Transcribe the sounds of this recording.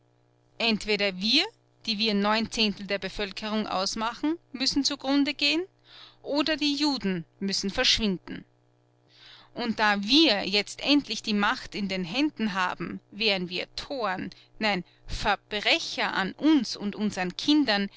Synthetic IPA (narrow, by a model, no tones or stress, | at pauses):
ʔɛntv̥eːdɐviːɐ | d̥iːviːɐnɔʏnt͡seːntl̩deːɐbəfœlkʰəʁʊŋʔa̰ʊsmaχn̩mʏsn̩t͡suɡʁʊndəɡeːən | ʔoːdɐdiːjuːdn̩mʏsn̩fɛɐʃv̥ɪndn̩ | ʔʊnt̚d̥aːviːɐjɛt͡stʔɛntʰlɪçd̥iːmaxtɪndeːnɦɛndn̩ɦa̰ːbm̩veːʁnviːɐtʰoːɐnː | aɪn | fɛɐb̥ʁɛçɐʔa̰nʔʊnsʊ̰ntʔʊnzəʁənkʰɪndɐn